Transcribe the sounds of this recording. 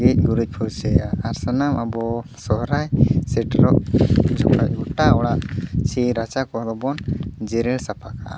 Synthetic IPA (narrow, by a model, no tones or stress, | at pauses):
ɛc̚ˀɡuɾuc̚ˀpʰɔwsɛjaːɾsanamʔabɔsɔɦɾajsɛʈɾɔʔd͡ʒʱɔ̰kɽaʔ̚uʈaɔɽat͡ʃʰiɾat͡ʃakɔd̪ɔbɔnd͡ʒɛɾɛlsapʰakaʔ